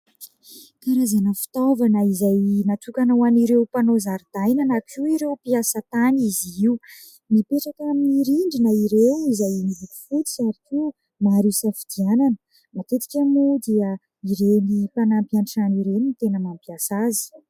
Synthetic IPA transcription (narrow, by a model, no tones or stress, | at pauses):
kaɾazanafi̥t̪ovanəizajnat͡s̪ukanowaniɾewpanozaɾid̪̥ajnənakiuiɾewpiasət̪aniziiu | mipeʈ͡ʂakamniɾiɳɖ͡ʐinaiɾewizajnivut̪i̥fut͡si̥saɾikiu | maɾiwsafid̪iananə | mat̪et̪i̥kʲamud̪iə | iɾenipanampiaɳʈ͡ʂaniɾeninit̪enəmampiasazi̥